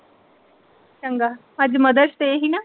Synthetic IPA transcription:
t͡ʃəŋɡaː | əd͡ʒməd̪əɾʃt̪eɦinaː

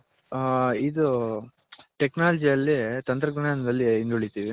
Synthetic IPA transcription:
id̪u | ʈeknaːlɐd͡ʒiɐlːit̪ɐnt̪ɾɐɡɐɳaːnɐd̪ɐlːiːnd̪uɐɭit̪iːʋi

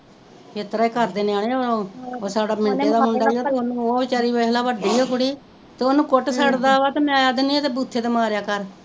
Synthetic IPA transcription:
et̪ɾaːiːkəɾd̪eːnɪjaːɽeːoooːsaːɖaːmɪnt̪eːd̪aːmʊnɖaːɡoːt̪eːonũːoːʋɪt͡ʃaːɾiːoɦlaːʋəɖiːoːkʊɽiː | t̪eːoːnũːkʊʈsəɽd̪aːʋaːt̪eːmaːjaːd̪niːt̪eːbuːt̪ʰːeːd̪ːmaːɾjaːkəɾ

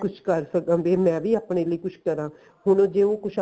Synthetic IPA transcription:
kʊt͡ʃʰkəɾsəkːʋeːmɛ̃ːʋʱiːaːpɳeːləikʊt͡ʃʰkəɾãː | ɦʊñõːd͡ʒeːoːkʊt͡ʃʰ

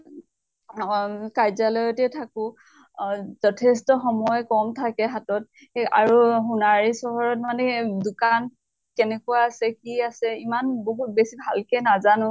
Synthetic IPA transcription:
kajzalɔjɔtɛtʰakʊ | zɔtʰɛstɔxɔmɔjɔkɔmtʰakɛɦatɔt̚ | a̰ɹuxunaɹisɔɦɔɹɔt̚manɛdʊkan | kɛnɛkuwaːsɛkiasɛimanboɦut̚besibʱalkɛnazanʊ̃

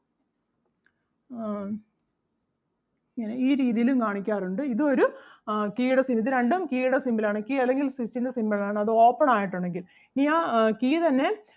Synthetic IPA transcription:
ŋɐneiːɾiːðijilumkaːɳikʲːaːruɳɖɨiðɨo̞ɾukiːɽɐsimiðɨɾeɳɖɐmkiːɽɐsimbɐlaːɳɨkiːɐlːe̞ŋɡilsit͡ɕːind̪ɐsimbɐlaːɳɨɐðɨo̞ːpːɐɳaːjiʈːuɳɖe̞ŋɡil | iniːaːkiːt̪ɐnːe̞

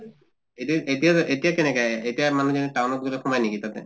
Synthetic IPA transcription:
etietijaʔetijakenɛkaetijamanud͡ʒɔniʈawnɔt̪̚ɡulɔkʰɔmajnikit̪at̪ɛ̰

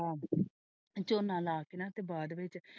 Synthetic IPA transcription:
aː | t͡ʃoːnːãːlaːkeːnãːt̪eːbaːd̪ʋɪt͡ʃ

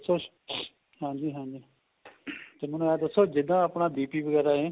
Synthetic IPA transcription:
soː | hãːd͡ʒiːɦãːd͡ʒiː | t̪eːmənũaːd̪əsːoːd͡ʒɪd̪ãːəpɳaːd̪iːpiːʋəɡɛːɾaːɦeː

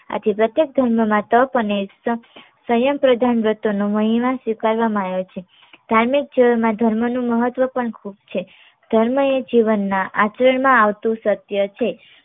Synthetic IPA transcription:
a̰t̪ʰipɾət̪jek̚d̪ʱəɾməmãt̪əpənesə | səjəmpɾəd̪ʱanbɾət̪onoməɦiʋãsʋikaɾʋamãajot͡ʃʰe | d̪ʱaɾmik̚d͡ʒiʋəmãd̪ʱəɾmənũməɦət̪ʋəpəɳkʰub̚t͡ʃʰe | d̪̥ʱəɾməed͡ʒiʋənːãʔat͡ʃəɾəɳmãaʋt̪ũsət̪jət͡ʃʰe

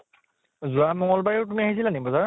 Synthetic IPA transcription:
zuamɔŋɔlbaɹiwtumiaɦisilanibɔzaɹ

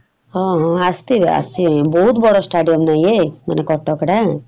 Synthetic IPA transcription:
ɔ̃ɦɔ̃ast̪ia̰st̪ibɔɦut̪bɔɽɔsʈaɖijɔmnajema̰nekɔʈɔkɽa

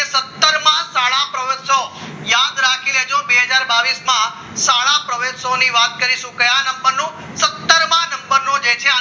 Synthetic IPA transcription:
esət̪ːəɾmãsaɭãpɾəʋeso | jãd̪ɾakʰined͡ʒobeɦəd͡ʒaɾbaʋismã | saɭ̃ãpɾəʋesoniʋat̪̚kəɾiʃũkəjanəmbəɾnũ | sət̪ːəɾmãnəmbəɾnũd͡ʒet͡ʃʰea

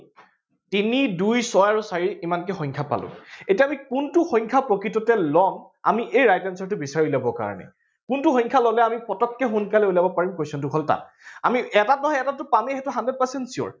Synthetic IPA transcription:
tinidujsɔjaɹusaɹiimankɛxɔ̃jŋkʰapa̰lʊ̰̃etiaːmikuntuxɔ̃ɲkʰapɹokɹitɔtɛlɔŋ | a̰miʔejɹajtɛnsɔɹtʊbisaɹilabɔka̰ɹɔ̰nɛ̰ | kuntuxɔjŋkʰalɔlɛamipɔtɔkːɛɦunkalɛulabɔpaɹimkojsɔntʊkʰɔlta̰t | amiɛtatnɔɦɔjɛtatːʊpamɛɦɛtʊɦanded̚pasɛntsiɔ̰ɹ

